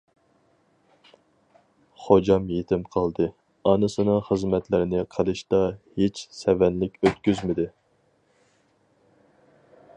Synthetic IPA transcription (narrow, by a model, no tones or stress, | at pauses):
χod͡ʒɑmjet̪ʰɪmqʰɑlˠd̪ɨ | ɑnɨsɨnɨŋχəzmɛt̪lɪɾɪnɪqʰəlˠɨʃt̪ɑhet͡ʃsɛvɛnlɪkʲøt̪kʲyzmɪd̪ɪ